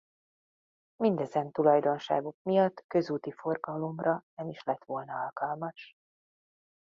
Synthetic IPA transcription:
mind̪ɛzɛnt̪ulɒjd̪o̞nʃa̰ːɡukmijɒt̪ːkø̞zuːt̪ifo̞rɡɒlo̞mrɒɛniʃlɛt̪ʋo̞lnɒɒlkɒlmɒʃ

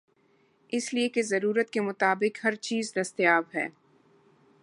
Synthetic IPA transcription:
ɪsliekezɐɾuːɾət̪kemʊt̪aːbɪkɦɐɾt͡ʃiːzd̪ɐst̪jaːbɦɛ̰ː

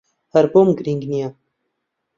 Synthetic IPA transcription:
hɐɾboːmɡɨɾiŋɡnija

